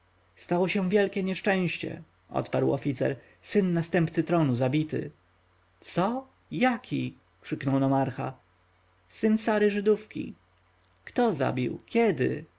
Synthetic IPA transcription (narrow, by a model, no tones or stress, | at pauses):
st̪awɔɕɛ̃vʲjɛlkʲɛɲɛʂt͡ʂɛ̃w̃ɕt͡ɕɛ̰ | ʔɔ̰t̪paɾwɔ̰fʲit̪sɛ̰ɾ | sɘnːast̪ɛmpt̪sɘt̪ɾɔnuzabʲit̪ɘ̰ | t̪sɔ | jakʲʰi | kʂɘknɔwnɔmaɾxa̰ | sɘnsaɾɘʐɘd̪ufkʲḭ | kt̪ɔza̰bʲḭwkʲɛd̪ɘ̰